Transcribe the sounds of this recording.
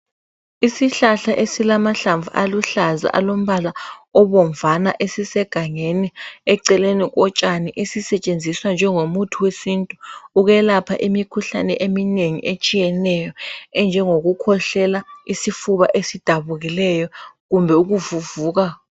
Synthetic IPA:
isiɬaɬaʔesilamaɬaɱvuʔaluɬaza̰ʔa̰lom̩βalaɔβɔɱvanaʔesisɛɡ̥ʱaŋeniɛǀɛlenik̬ɔt͡ʃʼaniʔesisɛt͡ʃʼend͡zʱiswand͡ʒʱɛŋomutʰuwesintʼuuɣɛlapʰaʔimikʰuɬa̰nɛ̰ʔemineŋiʔet͡ʃʼijɛnɛjɔɛnd͡ʒʱɛŋoɣukʰɔɬɛlaisifuβaʔesid̥ʱaβuɣilɛjɔɣumbʱɛuɣuvuvuːɣ̬a

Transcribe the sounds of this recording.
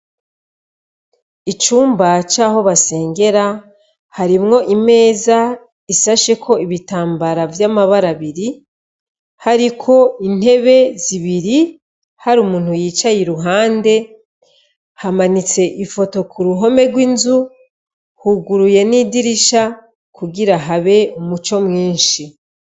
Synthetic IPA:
it͡ʃuːmbat͡ʃaːɦo̞βase̞ːŋɡe̞ɾa | haɾimŋo̞ʔime̞ːza | isaʃe̞kʰo̞iβitaːmbaɾavjamaβaɾaβiɾi | haɾikʰo̞in̥he̞βe̞ziβiɾi | haɾumuːn̥hujiːt͡ʃajiɾuɦaːnde̞ | hamanit͡se̞ʔifo̞to̞kuɾuɦo̞me̞ɾɡwinzu | huɡuɾuje̞niːdiɾiʃa | kuɡiɾaɦaβe̞umut͡ʃo̞mŋiːnʃi

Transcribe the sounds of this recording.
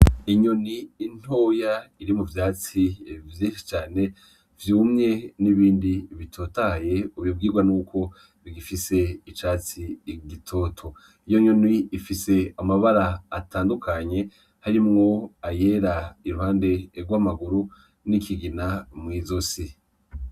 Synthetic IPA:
iɲoniːn̥ho̞ːjaiɾimuvjaːt͡sivjiʃi̥t͡ʃaːne̞ | vjuːmɲe̞niβiːndiβitʰo̞taje̞uβib̚ɡiːɾɡwanuːkʰo̞ | ɾiɡifise̞it͡ʃaːt͡siɡitʰo̞ːtʰo̞ | ijoɲo̞nwiːfise̞amaβaɾaːtaːndukʰaɲe̞ | haɾimŋo̞aje̞ɾaiɾuhaːnde̞ɾɡwamaɡuɾu | nikʰiɡinamŋiːzo̞si

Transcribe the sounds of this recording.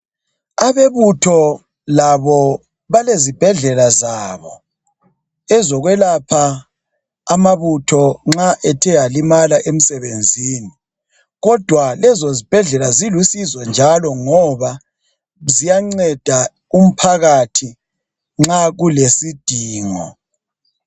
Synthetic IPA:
aβeβutʰɔ | laβɔ | βalezib̥ʱɛɮɛlazaːβɔ | ɛzɔɣwɛlapʰaː | maβutʰɔŋ͡ǁaʔɛtʰɛjalimalaʔem̩sɛβend͡zʱiːni | ɣɔd̥ʱwalɛzozib̥ʱɛɮɛlazilusizɛnd͡ʒʱalɔŋɔβa | zijaŋ͡ǀɛd̥ʱa | um̩pʰaɣatʰi | ŋ͡ǁaɣulesid̥ʱiːŋɔ̰

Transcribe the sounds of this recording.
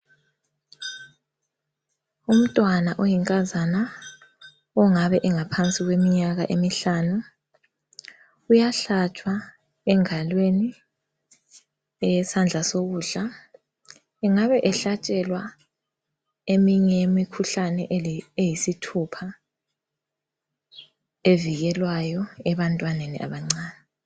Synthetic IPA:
um̩tʼwanaʔojiŋkʼazana | ɔŋaβɛʔɛŋapʰant͡sʼiɣwemiɲaɣaʔemiɬaːnu | ujaɬat͡ʃʼwa | ɛŋalweni | ɛjɛsand͡ɮʱasoɣuːɮa | ɛŋaβɛʔɛɬat͡ʃʼɛlwa | emiɲɛemikʰuɬanɛejisitʰupʰa | eviɣɛlwajɔɛβantʼwanenḭʔa̰βaŋ͡ǀaːnɛ

